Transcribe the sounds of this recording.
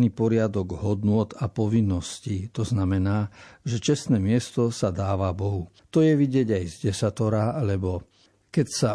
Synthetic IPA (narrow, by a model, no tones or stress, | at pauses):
niːpɔɾɪad̪ɔɡɦɔd̪nʊɔt̪apɔʋinːɔscit̪ɔznamɛnaːʒɛt͡ʃɛst̪nɛːmɪɛst̪ɔsad̪aːʋabɔɦu | t̪ɔjɛʋiɟɪɛɟajzɟɛsat̪ɔɾalɛbɔ | kɛcsa